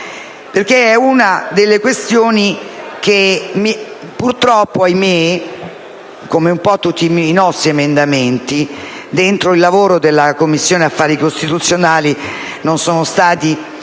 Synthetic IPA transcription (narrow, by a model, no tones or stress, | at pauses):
perk̟eɛunad̪elːekwest̪joːnikemi | purt̪ɾɔpːoajme | komeumpɔt̪ːut̪ːiːnɔst̪ɾiemend̪ament̪i | d̪ent̪ɾoilːavoːɾod̪elːakomːisːjoːneafːaːɾikost̪it̪ut̪sːjonaːli | nonsoːnost̪aːt̪i